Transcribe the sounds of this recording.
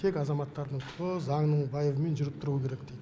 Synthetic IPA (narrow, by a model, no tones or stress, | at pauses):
t̪ʰe̞kʲɑzɑmɑt̪ːɑɾd̪əɴt̪ʰʊəzɑŋnəɴbɑjevəme̞nʒʏɾɪpt̪ʊɾuəkʲʰe̞ɾe̞kd̪ejd̪